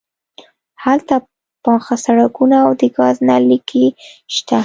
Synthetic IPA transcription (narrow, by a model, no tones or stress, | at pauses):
halt̪a | pɑxasaɽakunaːwd̪əɡɑznalikʰiʃt̪a